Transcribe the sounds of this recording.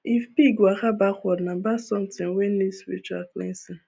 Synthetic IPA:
ifpiɡwakabakʷɔnabasɔm̩tɪ̃ŋweniswḭt͡ʃa̰klḛnsin

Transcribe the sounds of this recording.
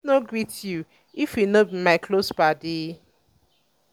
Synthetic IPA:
noɡɹitʰju | ifjinobimaɪkʰlosbade

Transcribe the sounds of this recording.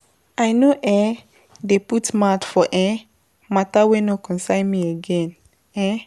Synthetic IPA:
ajnoʔɛ̃ | deputmatfɔʔɛ̃ | matawenokɔ̃nsãɪ̃nmieɡɛ̃n | ɛ̃

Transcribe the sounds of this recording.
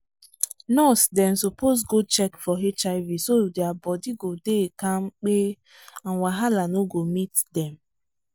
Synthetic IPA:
nɔsdɛnsopos̬ɡot͡ʃɛkfɔɦet͡ʃavisodɛabɔdiɡodekãmk͡pe | ãnwaɦalanoɡomitdɛm

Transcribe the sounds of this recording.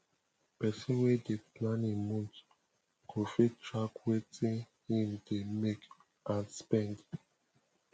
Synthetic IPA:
pɛsɔ̃nwɛdeplãnĩmɔ̃t | kʰofitɹakwetĩn | hĩmdemek | ʔãnspɛ̃nd

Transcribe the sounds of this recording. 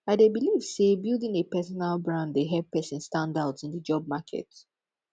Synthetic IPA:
aɪdebiliv̥sebilˠdĩnepɛsɔnalˠbɹãndðeɦɛv̚pɛsɪ̃nstãndaʊdsĩnðəd͡ʒɔb̚makʰɛ̰t

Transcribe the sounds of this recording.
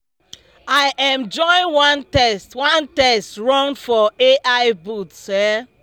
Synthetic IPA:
aɪʔɛ̃md͡ʒɔ̃ɪ̃nwãntɛstwãntɛstɹɔ̃ŋdfɔeʔaɪbutsɛ

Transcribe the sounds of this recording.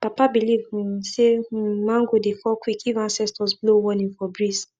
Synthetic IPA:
papabilivĩsemãŋɡodefɔkwikivãnsɛstɔsblowɔ̃nĩnfɔbɹis

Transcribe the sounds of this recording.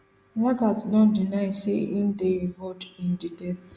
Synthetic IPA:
laɡatsdɔ̃ndinajseʔĩnd̪evotĩndidɛt

